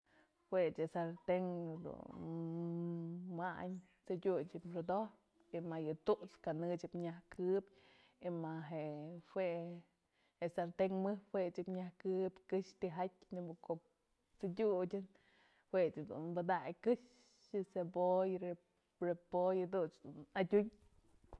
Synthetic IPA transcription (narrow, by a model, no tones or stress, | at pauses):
hwet͡ʃɨsaɾt̪eŋd̪ṵnn | maɲ | t͡sɨdʲut͡ʃɨpɾod̪op | imajɨt̪uʔt͡skanɨt͡ʃipɲahkʰɨbʲ | imaɦeʔwe | heʔsaɾt̪eŋmɨhweʔt͡ʃipɲahkɨpʲkɨʃt̪iɦat̚ʲnibukoʔp | t͡sɨdʲudʲɨn | hwet͡ʃɨd̪ṵnbɨd̪ajkɨʃ | jɨsebojɾe | ɾepojɨd̪ut͡ʃd̪unadʲuɲ